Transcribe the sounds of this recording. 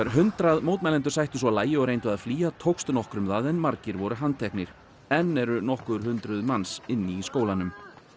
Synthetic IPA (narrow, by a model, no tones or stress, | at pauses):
aɾɦʏnt̪ɾaðmowt̪mɛlɛnt̪ʏɾ̥sajht̪ʏsvɔlaːjɪɔɣɾejnt̪vʏaðfliːat̪ʰowkst̪nɔhkɾʏmðaðɛnmaɾcɪɾvɔɾʏɦant̪ʰɛhknɪɾ̥ | ɛnːɛɾʏnɔhkʏɾ̥ɦʏnt̪ɾʏðmansɪnːɪːskoːwlanʏm